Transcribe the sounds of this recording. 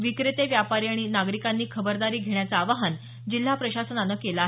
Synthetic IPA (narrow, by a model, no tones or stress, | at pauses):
ʋikɾet̪eʋjapaɾiːaɽ̃inaɡɾikanːiːkʰəbəɾd̪aɾiːɡʱeɳ̃jat͡saːʋaɦan | d͡ʑil̤ːapɾəɕasənanːəːkelaːɦ